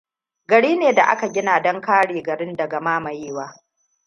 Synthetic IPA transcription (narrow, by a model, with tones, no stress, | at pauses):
ɡɐ˨ɽiː˦neː˨da˨ʔa̰˦ka˨ɡʲɪ˦naː˨dɐ˦ŋkaː˦ɽeː˨ɡɐ˨ɽɪ˦ndɐ˨ɡa˨maː˦mɐ˨jeː˦waː˦